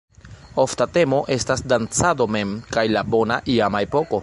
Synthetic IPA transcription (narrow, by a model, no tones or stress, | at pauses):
oftate̞mo̞ʔe̞stasdant͡sado̞me̞mkajlabo̞na̰ʔiamae̞po̞ko̞